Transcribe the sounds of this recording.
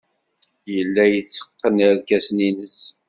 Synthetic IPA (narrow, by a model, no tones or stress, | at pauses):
jəlːæjət͡sːə̥qːənəɾkæsninəs